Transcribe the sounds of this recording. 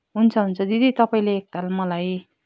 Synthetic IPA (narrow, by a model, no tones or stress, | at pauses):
ɦunt͡sʰʌɦunt͡sʰʌd̪id̪ʱit̪ʌpaĩleːk̚t̪almʌlaj